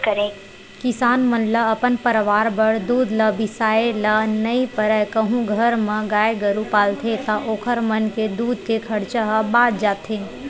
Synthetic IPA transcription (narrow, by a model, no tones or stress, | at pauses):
kəɾẽː | kɪsaːnmɐnləɐpənpəɾʋaːɾbəɽd̪uːd̪ləbɪsaːelɐnɐipəɾɛkəɦũɡʱɐɾmɐ̃ɡaːeɡəɾupaːlt̪ʰet̪ɐʔoːkʰəɾmɐnked̪uːd̪̚kekʰɐɽt͡ʃəɦbaːd̪̚d͡ʒaːt̪ʰẽː